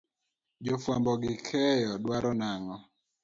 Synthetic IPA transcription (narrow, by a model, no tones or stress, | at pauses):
d͡ʒɔfwambɔɡɪkʰɛjɔdwaɾɔnaŋɔ